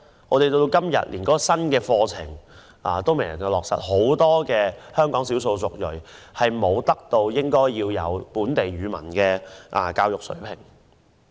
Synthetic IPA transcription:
ŋʔɔː˧t̪e˨jt̪o˧t̪o˧wkɐ˥mjɐ̰˨t̚liː˨˩nkɔː˨˥kɔ˧sɐ˥nkɛː˧fɔː˧t͡sʰɪ˨˩ŋ | aː˨t̪o˥wme˨˩jɐ˨˩ɐ˨˧wlɔː˨k̚sɐ̰˨t̚ho˨˥wt̪ɔː˥kɛː˧hœː˥ŋkɔː˨˥ŋsiː˨˥wso˧wsʊ˨k̚jɵ˨˩ɥhɐ˨jmo˨˧wt̪ɐ˥k̚t̪o˧wjɪ˥ŋkɔː˥jːiː˧wjɐ̰˨˧wpuː˨˥nt̪e˨jɥyː˨˧mɐ̰˨˩nkɛː˧ʔa˨kaː˧wjʊ˨k̚sɵ̰˨˥ɥpʰɪ˨˩ŋ

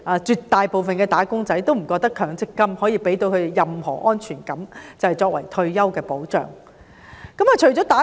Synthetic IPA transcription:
aː˨˧t͡ʃyː˨˧t̪ːaː˨jpo˨wfɐ˨nkɛː˧t̪aː˨˥kʊ˥ŋt͡sɐ˨˥jt̪o˥wm̩˨˩kɔː˧k̚t̪ɐ˥kʰœː˨˥ŋt͡sɪ˥kːɐ˥mhɔː˨˥jiː˨˧pe˨˥jt̪o˧wkʰɵ˨˧e˨jɐ˨mhɔ̰ː˨˩ʔɔː˥nt͡ʃʰyː˨˩nkɐ˨˥mt͡sɐ˨˩hɐ˨jt͡sɔː˧k̚wɐ̰˨˩jt̪ʰɵ˧ɥjɐ˥wkɛː˧po˨˥wt͡ʃœ̰ː˨˩ŋ | kɐ˨˥ma˨t͡ʃʰɵ˨˩ɥt͡sɔː˨˥t̪aː˨˥

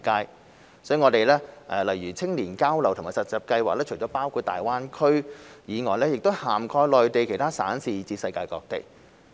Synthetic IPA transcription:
kaː˥j | sɔː˨˥y˨˩ŋɔː˨˧t̪e˨jlɛː˥ʔɛ˨˧lɐ˨˩jɥyː˨˩t͡sʰɪ˥ŋliː˨˩nkaː˥wlɐ˨˩wt̪ʰmaː˨˩jsɐ˨˩t̚t͡sɐ˨˩p̚kɐ˧jwaː˨klɛ˥t͡ʃʰɵ˨˩jt͡ʃɔː˨˥paː˥wkʰuː˧t̚t̪a̰ː˨jwaː˥nkʰɵ˥ɥjiː˨˧ŋɔː˨˩jlɛː˥jɪ˨k̚t̪o˥haː˨˩mkʰɔː˧jlɔː˨jt̪e˨jkʰe˨˩jt̪ʰaː˥saː˨˥nsiː˨t͡siː˧t̚sɐ˧jkaː˧jkɔː˧k̚t̪ḛ˨˩k̚

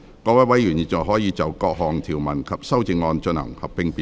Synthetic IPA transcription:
kɔː˧wɐ˨˥wɐ˨˥jɥyː˨˩nji˨t̚t͡sɐ˨˩wɦɔː˨˥jiː˨˧t͡sɐ˨wkɔː˧k̚ɦɔː˨ŋt̪ʰiː˨˩wmɐ˨˩nkʰɐ˨p̚sɐ˥wt͡sɪ˧ŋɔː˧nt͡ʃɵ˧nhɐ̰˨˩ŋhɐ˨p̚ːɪ˧ŋpi˨

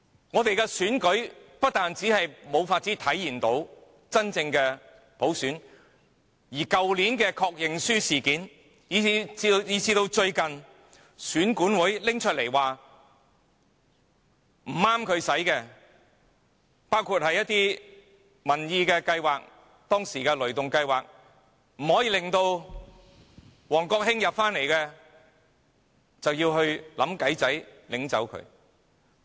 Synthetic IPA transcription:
ŋɔː˨˧t̪e˨jkɛː˧syː˨˥nkɵ˨˥ɥpɐ˥t̚t̪aː˨nt͡siː˨˥hɐ˨jmo˨˧wfaː˧t̚t͡si˨˥t̪ʰɐ˨˥jːiː˨˩nt̪o˨˥w | t͡sɐ˥nt͡sɪ˧ŋkɛː˧ | po˨˥wsyː˨˥n | jiː˨˩kɐ˨wliː˨˥nkɛː˧kʰɔː˧k̚jɪ˨ŋsyː˥siː˨˩kiː˨˥n | jiː˨˧t͡sːiː˧t͡siː˧t̪o˧wt͡ʃɵ˧ɥkɐ˨n | syː˨˥nkuː˨˥nwuː˨˥jlɪ˥ŋt͡ʃʰɵ˥t̚le˨˩jwaː˨ | m̩˨˩aː˥mkʰɵ˨˧ɥsɐ˨˥jkɛː˧ | paː˥wkʰuː˨˧t̚hɐ˨jːɐ˥t̪iː˥ | mɐ˨˩njiː˧kɛː˧kɐ˧jwaː˨˩k̚ | t̪ɔː˥ŋsiː˨˩kɛː˧lɵ˨˩ɥt̪ʊ˨ŋkɐ˧jwaː˨k̚ | m̩˨˩hɔː˨˥jiː˨˧lɪ˨˩ŋt̪o˧w | wɔː˨˩ŋkɔː˧k̚ɦɪ˥ŋjɐ˨p̚faː˥nle˨˩jkɛː˧ | t͡sɐ˨wjiː˧wɦɵ˧ɥlɐ̰˨˥mkɐ˨˥jt͡sɐ˨˥jlɪ˨˥ŋt͡sɐ̰˨˥wkʰɵ̰˨˧ɥ

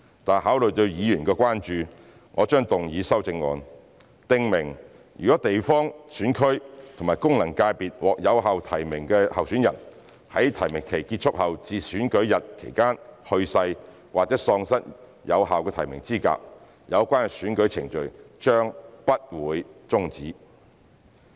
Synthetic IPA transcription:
t̪aː˨nɦaː˨˥wlɵ˨ɥt̪ɵ˧ɥjiː˨˧jyː˨˩nkɛː˧kʷaː˥nt͡ʃyː˨ | ŋʔɔ̰ː˨˧t͡ʃœː˥ŋt̪ʊ˨ŋjiː˨˧sɐ˥wt͡sɪ˧ŋːɔ̰ː˨˧n | t̪ɪ˧ŋmɪ˨˩ŋ | jy̰ː˨kɔː˨˦˥t̪e˨jfɔː˥ŋsyː˨˥nkʰɵ˥ɥt̪ʰʊ˨˩ŋmaː˨˩jkʊ˥ŋlɐ˨˩ŋkaː˧jpiː˨t̚wɔː˨k̚jɐ˨˧wɦaː˨wt̪ʰɐ˨˩jmɪ˨˩ŋkɛː˧hɐ˨wsyː˨˥njɐ̰˨˩n | hɐ˨˥jt̪ʰɐ˨˩jmɪ˨˩ŋkʰe˨˩jki˧t̚t͡ʃʰʊ˥k̚hɐ˨wt͡siː˨syː˨˥nkɵ˨˥ɥjɐ˨t̚kʰḛ˨˩jkaː˥nhɵ˧ɥsɐ˧j | waː˨t͡sɛː˨˥sɔː˧ŋsɐ˥t̚ | jɐ̰˨˧wɦaː˨wkɛː˧t̪ʰɐ˨˩jmɪ̰˨˩ŋt͡siː˥ka̰ː˧k̚ | jɐ˨˧wkʷaː˥nsyː˨˥nkɵ˨˥ɥt͡sʰɪ˨˩ŋt͡ʃɵ˨ɥt͡ʃœː˥ŋpɐ˥t̚wuː˨˧jt͡sʊ˥ŋt͡siː˨˥

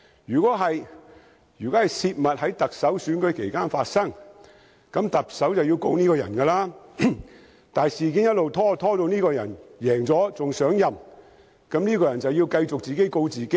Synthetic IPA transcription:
jyː˨˩kʷɔː˨˥ɦɐ˨j | jyː˨˩kɔː˨˥hɐ˨˩jsiː˧t̚mɐ˨t̚hɐ˨˥jt̪ɐ˨k̚sɐ˨˥wsyː˨˥nkɵ˨˥kʰe˨˩jkaː˥nfaː˧t̚sɐ˥ŋ | kɐ˨˥mt̪ɐ˨p̚sɐ˨˥wt͡sɐ˨wji˧wko̰˧wniː˥kɔː˧jɐ̰˨˩nkɐ˧laː˥ | t̪aː˨jsiː˨k̬iː˨˥njɐ˥t̚lo˨wt̪ʰɔː˥t̪ʰɔː˥t̪o˧wniː˥kɔː˧jɐ̰˨˩njɛː˨˩ŋt͡sɔː˨˥t͡sʊ˨ŋsœː˨˥ŋjɐ˨m | kɐ˨˥mniː˥kɔː˧jɐ˨˩nt͡sɐ˨wjiː˧wkɐ˧jt͡sʊ˨k̚t͡siː˨ke˨˥jko˧wt͡siː˨ke˥

